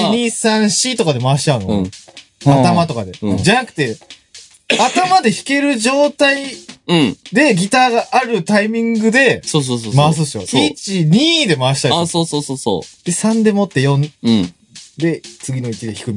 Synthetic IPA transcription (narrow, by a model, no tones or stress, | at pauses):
ɲisãɰ̃ɕit̪o̞kad̪e̞maɕi̥t͡ɕaɯ̟no | at̪amat̪o̞kad̪e̞d͡ʑanakɯ̥t̪e̞ | at̪amad̪e̞çi̥ke̞ɾɯ̟ʑo̞ːt̪aĩ | d̪e̞ɡʲit̪aːɡaʔːɾɯ̟t̪aimʲĩŋɡɯ̟d̪e̞soːs̬oːsomas̬ɨsɨjo̰it͡ɕiɲ̟iːd̪e̞maːɕi̥t̪aasoːsoːsoːso̰d̪̥e̞sãnd̪e̞mo̞t̪ːe̞jõ̞n | d̪e̞t͡sɨɡʲino̞it͡ɕid̪eçi̥kɯ̟m